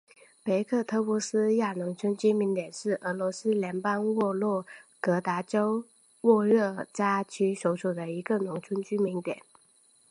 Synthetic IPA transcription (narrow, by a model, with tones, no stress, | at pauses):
pe˧˥ɪkʰɤ˥˩t̪ʰɤ˥pu˧˥˩sɹ̩˥ja˥˩nʊ˧˥ŋt͡sʰwə˥nt͡ɕy˥mi˧˥ŋt̪jɛ˨˩nʂɻ̩˥˩ʔə˧˥lɔ˧˥sɹ̩˥ljɛ˧˥npɑ˥ŋwɔ˥˧lwɔ˥˩kɤ˧˥t̪a˧˥ʈ͡ʂo˥ʊ | wɔ˥˧ɻɤ˥˩t͡ɕa˥t͡ɕʰy˥ʂo˧˥ʊʂu˨˩d̪ə˦i˧˥ɡə˧nʊ˧˥ŋt͡sʰwə˥nt͡ɕy˥mi˧˥ŋt̪jɛ̰˨˩˦n